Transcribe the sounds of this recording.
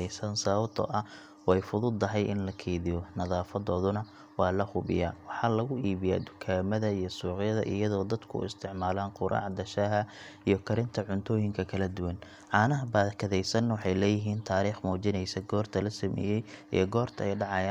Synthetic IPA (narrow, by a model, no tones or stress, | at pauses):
ɛsɐnsɐβɐb̚t̪ʰɔ̰ʔɐ | wɛjfʊðʊd̪ɐɦɛjʔɪnlɐkʰɛːðɪjɔnɐðaːfɐðɔːðʊnɐ | wɑːlɐhʊβɪ̰ja̰ːwɑħɑːlɐɣʊiːβɪja̰ːd̪ʊkʰaːmɐðɐijɞsuːqɪjɐðɐ̰ʔɪ̰jɐðɔːd̪ɐd̪kʰʊ̰ɪ̰st̪ʰɪʕmaːlaːnqʊɾʔɑ̰ːʕd̪ɐʃaɦɐ | ijɞkʰɐɾɪnt̪ʰɐʕʊnt̪ʰɔːjɪŋkʰɐkʰɐlɐd̪ʊwɐn | ʕɑːnɐɦɐbaːðkʰɐðɛjsɐnːɐwɑħɑjlɛːjɪɦiːnt̪ʰaːɾiːχmɔːt͡ʃɪnɛjsɐɡɔːrt̪ʰɐlɐsɐmɛ̰ːjɛjḭjɡɔːrt̪ʰɐɛjɖɑʕɑjaː